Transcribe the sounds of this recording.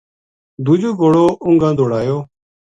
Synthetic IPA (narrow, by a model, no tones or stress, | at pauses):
d̪uːd͡ʒoːɡoːɽoːʔʊ̃ŋɡãːd̪ʱoːɽaːjoː